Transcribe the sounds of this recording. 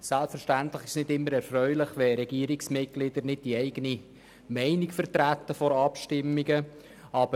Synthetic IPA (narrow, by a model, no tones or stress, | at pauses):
sælpfɛɾʃtæntlɪχɪ̥ʃnɪdɪmːəɾɛɾfɾœʏlɪχʋɛɾɛɡ̥iːəɾiksmɪt̚ɡ̥lɪdəɾnɪd̚d̥iɛɪɡ̥əni | mɛɪnikfərtɾæt̪ːəfɔɾɑpʃtɪmːiɡə | ɑːb̥ə